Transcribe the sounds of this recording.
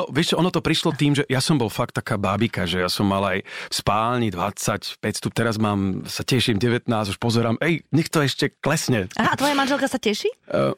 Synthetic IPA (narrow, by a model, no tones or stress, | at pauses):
nɔʋɪɛʃt͡ʃɛɔnɔt̪ɔpɾiʃlɔt̪iːmʒɛjasɔmbɔlfak̚t̪ːakaːbabikaʒɛjasɔmːalajfspaːlɲid̪ʋa̰t͡sacpɛcst̪up̚t̪ɛɾazmaːmsacɛʃiːmɟɛʋɛt̪naːzuʃpɔzɛɾaːmɛjɲɛxt̪ɔɛʃcɛklɛsɲɛʔaɦaat̪ʋɔjamanʒɛlkasacɛʃi